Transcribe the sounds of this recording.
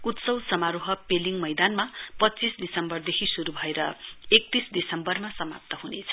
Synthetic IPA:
ut̪sʌwsʌmaɾuɦʌpeliŋmʌjd̪anmapʌt͡sisd̪isʌmbʌrd̪ekʰisuɾubʱʌeɾʌek̚t̪isd̪isʌmbʌrmasʌma̰p̚t̪ʌɦunet͡sʰʌ̥

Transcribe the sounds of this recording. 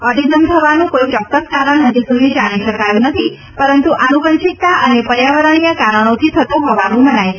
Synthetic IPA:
əɖizəmt̪ʰəʋanũkoit͡ʃɔkːəskaɾəɳnəd͡ʒ̪isud̪ʱid͡ʒaɽ̃iʃəkajũnət̪ʰi | pəɾənt̪uʔanukənʃik̚t̪aʔənepəɾjaʋəɾəɽ̃ijakaɾəɽ̃ot̪ʰit̪ʰət̪ũɦɔʋanũmənaj

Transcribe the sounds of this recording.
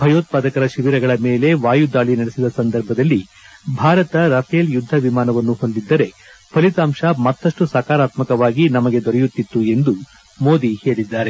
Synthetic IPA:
bʱɐjoːt̪̚paːd̪ɐkɐɾɐʃiʋiɾɐɡɐɭɐme̞ːle̞ʋaːjud̪aːɭinɐɽesid̪ɐsɐnd̪ɐɾbʱɐd̪ɐlːibʱaːɾɐt̪ɐɾɐpʰɐjɐljud̪ʱːɐʋimaːnɐʋɐnːuɦo̞nd̪id̪ːɐɾe̞ | pʰɐlit̪aːmʂɐmɐt̪ːɐʂʈusɐːkaːɾaːt̪mɐkɐʋaːɡinɐmɐɡe̞d̪ɔɾɛjut̪ːit̪ːue̞nd̪u | mo̞ːd̪ihe̞ːɭid̪ːaːɾe̞

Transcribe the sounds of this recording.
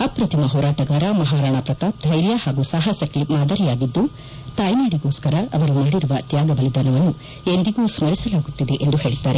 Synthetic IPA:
ɐpɾɐt̪ʰimɐɦɔːɾaːʈɐɡaːɾɐmɐɦaːɾaɳapɾɐt̪aːp̚d̪ʱɐjɾjɐhaːɡusɐɦɐsɐklimaːd̪ɐɾijaːɡid̪ːu | t̪aːjnaːɽiɡoːskɐɾɐɐʋɐɾumaːɽiɾuʋɐt̪jaːɡɐʋɐlid̪ɐnɐʋɐnːu | end̪iɡuːsmɐɾisɐlaːɡut̪ːid̪e̞ʔend̪uɦe̞ːɭit̪ːaːɾe

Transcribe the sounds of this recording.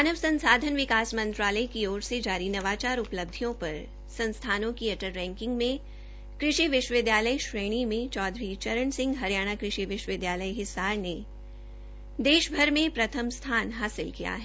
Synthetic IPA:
aːnəʋsɐ̃nsaːd̪ʱənʋɪkaːsmɐ̃nt̪ɾaːləikioːɾsed͡ʒaːɾinɐʋaːt͡ʃaːɾʊpləb̚d̪ʱijõpɐɾ | sɐ̃nst̪ʰaːnõkiɐʈəɾːɛ̃ːŋkɪ̃ŋɡmẽ | kɾɪʃiʋɪʃwəʋɪd̪jaːləiʃɾeːɽ̃imẽt͡ʃɔːd̪ʱɾit͡ʃɐɾəɳsɪ̃ŋɡɦɐɾijaːɽ̃akɾɪʃiʋɪʃwəʋɪd̪jaːləiɦɪsaːɾne | d̪eːʃbʱɐɾmẽpɾɐt̪ʰəmst̪ʰaːnɦaːsɪlkija̰ɦɛ

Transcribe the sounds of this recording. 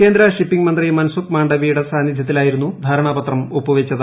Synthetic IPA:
ke̞ːnd̪ɾɐʂipːiŋɡmɐnd̪rijmɐnɐsukmaːɳɖɐʋiːuɽɐsaːnid̪ʱjɐt̪̬ːilaːjiɾunːud̪ʱaːɾɐɳaːbɐt̪rɐmopːuʋet͡ɕːɐðɨ

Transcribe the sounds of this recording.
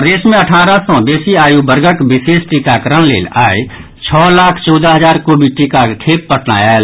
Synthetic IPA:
d̪eːsmẽəʈʰaːɾasɔ̃beːsiaːjubəɾɡəkbɪseːsʈikakəɾəɽ̃lḛːlaːe | t͡ʃʰɔːlaːkʰt͡ʃɔːd̪aɦəzaːɾkobʱiʈikakʰeːpːəʈʰna̰ːjal

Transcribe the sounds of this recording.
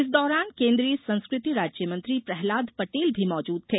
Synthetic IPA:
ɪs̬d̪ɔːɾaːnkẽːnd̪ɾiəsɐ̃nskɾɪt̪iɾaːd͡ʒjəmɐ̃nt̪ɾipɾɛɦlaːd̪pɐʈeːlbʱimɔːd͡ʒuːd̪̚t̪ʰeː

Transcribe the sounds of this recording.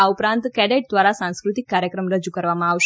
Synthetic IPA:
aupɾãnt̪kɛɖeʈ̚d̪ʋaɾasãnskɾut̪ikːaɾjəkɾəmɾəd͡ʒukəɾʋamãaʋʃ

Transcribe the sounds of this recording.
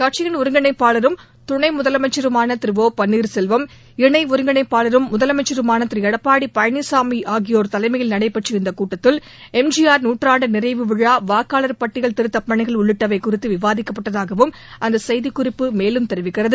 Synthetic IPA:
kaːʈ̚t͡ʃɪɣɐnʊɾɯŋɡɐɳɐɪpːaːlɐɾɯm | t̪ʊɳɐɪmʊðɐlɐmɐɪt͡ʃːɐɾɯmaːnɐt̪ɪɾɯʋoːpɐnːiːɾsɛlʋɐm | ɪɳɐɪʊɾɯŋɡɐɳɐɪpːaːɭɐɾɯmːʊðɐlɐmɐɪt͡ʃːɐɾɯmaːnɐt̪ɪɾɪjɐɽɐpːaːɽipɐjɐnisaːmiʔaːɣɪjoːɾt̪ɐlɐɪmɐjɪlnɐɽɐɪpːɐʈrɪɪnd̪ɐkuːʈːɐt̪ːɪl | ɛmd͡ʒɪjaːɾnuːʈraːɳɖɯnɪrɐɪʋɯʋɯɻaːʋaːkːaːlɐɾpɐʈːɪɣɐɭt̪ɪɾɯt̪ːɐpːɐɳɪɣɐɭʊɭːɯʈːɐʋɐɪkʊrɪt̪ːɯʋɪʋaːðɪkːɐpːɐʈːɐðaːɣɐʋɯm | ʔɐnd̪ɐsɐjðikːʊrɪpːɯmeːlɯmt̪ɛɾɯʋɪkːɪrɐðɯ

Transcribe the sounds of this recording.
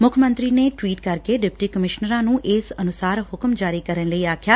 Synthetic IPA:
mʊkʰəmə̃nt̪ɾiːneːʈwiːʈkəɾkeːɖɪp̚ʈiːkəmɪʃnəɾãːnũːʔɪsənʊsaːɾhʊkəmd͡ʒaːɾiːkəɾənləiːaːkʰjaː

